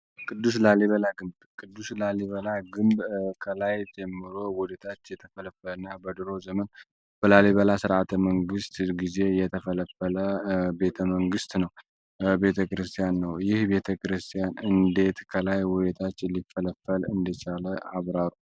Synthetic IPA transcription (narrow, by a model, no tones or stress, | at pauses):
kʰʼɨd̪ːus̬laliβəlaɡɨmb | kʰʼɨd̪ːuslaliβəlaɡɨmbkʰəlajd͡ʒɛmːɨɾo̞wɔd̪et̪ʰat͡ʃːjɛt̪ʰəfələfːələnːabəd̪ɨɾo̞zəmən | b̥əlaliβəlasɨɾat̪ʰəməŋɡɨst̪ɡize̞jɛt̪ʰəfələfələbe̞t̪ʰəməŋɡɨst̪nəw | be̞t̪ʰəkɨɾɨst̪ʰʼijanːəwjɪhbe̞t̪ʰəkɾɨst̪ʰijanɨnd̪e̞t̪kʰəlajwɔd̪et̪ʰat͡ʃːlifːələfːəlɨnd̪ət͡ʃaləʔaβɾaɾu